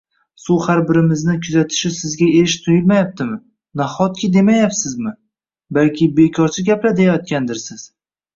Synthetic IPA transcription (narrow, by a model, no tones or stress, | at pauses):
suhaɾbɪɾɪmɪznɪkʲʰʊzat̪ʰɪ̥ʃɪsɪzɡʲaeɾɪʃt̪ʰʊjɪlmajap̚t̪ɪmɪ | naχɒt̪̚kʰʲɪd̪e̞majapsɪzmɪ | balkʲɪbe̞kʰɒɾt͡ʃʰɪɡʲaplad̪ejajɒt̪̚kʲand̪ɪɾsɪz̥